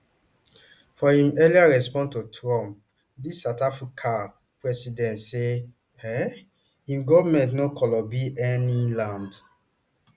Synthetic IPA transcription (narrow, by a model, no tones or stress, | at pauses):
fɔĩmɛliaɹɛspɔ̃ntotʰɹɔ̃m | disatafɹikʰa | pɹɛsidɛ̃ntse | ɛ | ĩmɡɔvamɛ̃ntnokɔlɔbiʔɛnilãnd